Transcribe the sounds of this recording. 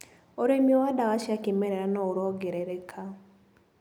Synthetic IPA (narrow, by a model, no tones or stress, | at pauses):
oɾemjowadaɡaʃakɪmɛɾɛɾanɔʊɾɔɡɛɾɛɾɛkʰa